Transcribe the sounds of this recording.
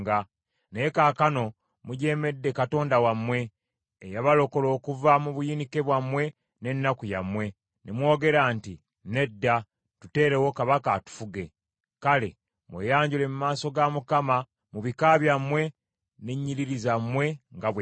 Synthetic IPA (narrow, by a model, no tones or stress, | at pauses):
ɡa | nekaːkano̞ | muɟe̞ːme̞dːekato̞ːndawamwe̞ː | jaβalo̞ko̞lo̞ːkuvamuβujinike̞βwamwe̞ | ne̞nːakujamwe̞ | nemwo̞ːɡe̞ɾaːnti | ne̞dːa | tute̞ːɾe̞wo̞kaβakaːtu̥fuɡe̞ | kale̞̰ | mwḛːjaːɲɟule̞mumaːso̞ɡamukama | muβikaβjamwe̞ | neɲːiɾiɾizamwe̞ŋɡaβ